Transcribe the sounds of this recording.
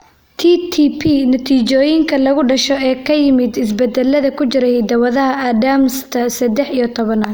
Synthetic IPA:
t̪ʰiːt̪ʰipʰinɐt̪ʰiːt͡ʃɔːjɪŋkʰɐlɐɣʊɖɐʃɔɛːkʰɐjɪmɪd̪ɪs̬bɛd̪ɛlːɐðɐkʰʊt͡ʃɪɾɛjd̪ɐwɐðɐɦɐɐd̪amst̪ʰɐsɐd̪ɛħijɔt̪ʰɔβɐnaː

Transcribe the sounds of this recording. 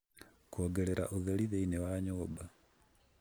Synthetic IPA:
koːɡɛɾɛɾa̰ʔoðeliðeinewaɲoːba

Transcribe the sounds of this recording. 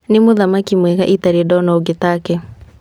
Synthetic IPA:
nɪmoðamakimwɛɣa̰ʔitaɾiedɔnɔoɡetakɛ

